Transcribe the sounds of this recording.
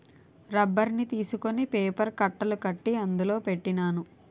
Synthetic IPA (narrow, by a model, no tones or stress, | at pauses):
ɾɐbːɐɾnit̪iːsukonipeːpɐɾkɐʈːɐlukɐʈːiɐnd̪ulo̞ːpe̞ʈːinaːnu